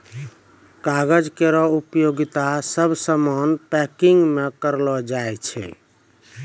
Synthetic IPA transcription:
kaɡəd͡ʒkeɾɔupjoɡit̪asəbsəmɔnpɛkiŋɡmekəɾlɔd͡ʒajt͡ʃʰɛ̰

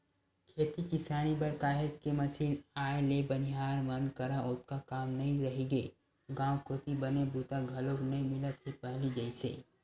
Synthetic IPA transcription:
kʰeːt̪ikɪsaːnibɐɾkaːɦed͡ʒkemɐsiːnaːelebɐniɦaːɾmɐnkɐɾaʔʊt̪̚kakaːmnɐɦĩɾɐɦiɡe | ɡãːwkʰoːt̪ibɐnebuːt̪aɡʱɐloːknɐɦĩmɪlət̪ɦipɛɦlid͡ʒɐisḛː

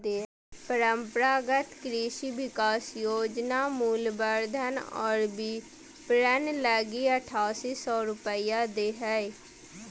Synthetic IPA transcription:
eː | pəɾəmpɾaːɡət̪kɾiːʃiːʋɪkaːsjoːd͡ʒnaːmuːlbəɾd̪ʱənɔ̰ːɾbiː | pɾənləɡiːəʈʰaːsiːsɔːɾʊpəiːaːd̪eːɦɛe

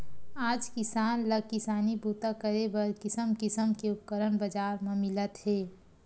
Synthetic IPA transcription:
aːd͡ʒkɪsaːnləkɪsaːnibuːt̪akəɾebəɾkɪsəmkɪsəmkeʊp̚kəɾənbəd͡ʒaːɾmẽmɪlət̪ɦeː

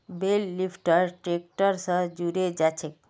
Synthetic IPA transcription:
belːipʈəɾʈɾekʈɔɾsəd͡ʑuɾed͡ʒat͡ɕʰek̚

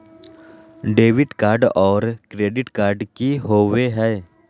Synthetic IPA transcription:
ɖeːʋɪʈkaːɾɖɔːɾkɾeːɖɪʈkaːɾɖkiɦoːʋeɦɛː

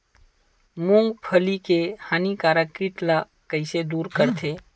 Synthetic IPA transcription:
mũŋɡpʰəlikehaːnikaːɾəkɾiʈ̪la | kəɪsed̪uːɾkəɾt̪ʰeː

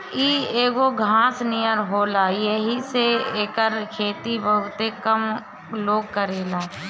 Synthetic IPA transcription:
iːeːɡoɡʱãːsnijəɾɦoːlaːjeɦiseeːkəɾkʰeːt̪ibəɦʊt̪ekəm | loːɡ̚kəɾeːlaː

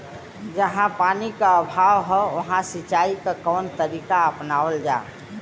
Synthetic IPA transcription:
d͡ʒəɦãpanikaəbʱaʋɦəʋəɦãsit͡ʃaikekɔnt̪əɾikaəpnaʋəld͡ʒa̰ː

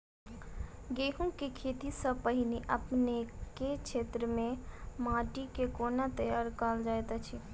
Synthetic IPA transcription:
ɡeɦũkekʰet̪isəpəɦineʔəpneket͡ʃʰet̪ɾəmemãʈikekonat̪əjaɾkald͡ʒaet̪at͡ʃʰi

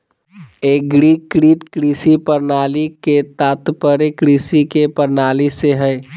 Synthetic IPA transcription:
eɡɾikɾiːt̪kɾiːsipəɾnaːliket̪aːt̪pəɾekɾiːsikepəɾnaːliseɦɛj

